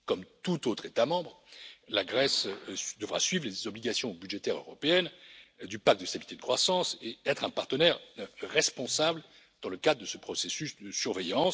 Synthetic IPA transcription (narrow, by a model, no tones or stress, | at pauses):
kɔmt̪ut̪ot̪χet̪amɑ̃bʁ | laɡʁɛsd̪əvʁa̰sɥivʁlezɔbliɡasjɔ̃byd̪ʒet̪ɛʁø̰ʁɔpeɛnd̪ypak̚t̪̚d̪əst̪abilit̪ed̪əkχwasɑ̃seɛt̪χɛ̃paʁt̪ənɛʁʁɛspɔ̃sabl | d̪̥ɑ̃ləkad̪ʁəd̪əsəpχɔsɛsysd̪əsyʁvɛjɑ̃s